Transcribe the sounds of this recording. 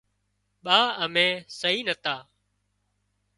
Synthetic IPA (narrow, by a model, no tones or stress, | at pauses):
ɓaːəmẽːsəɦiːnət̪aː